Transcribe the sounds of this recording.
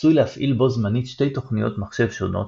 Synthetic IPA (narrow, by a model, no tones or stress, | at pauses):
sujlehafʔilbo̞zmanitʃte̞jto̞χnijo̞̰t̪maχʃe̞vʃo̞̰no̞̰t